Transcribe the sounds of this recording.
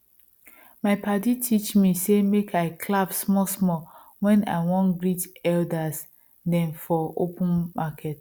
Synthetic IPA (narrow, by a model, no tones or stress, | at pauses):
maɪpaditʰit͡ʃmisemekʰaɪkʰlavsmɔsmɔ | wɛ̃na̰ɪwɔ̃nɡɹitɛldas | dɛ̃ɱfɔopũnmakʰɛt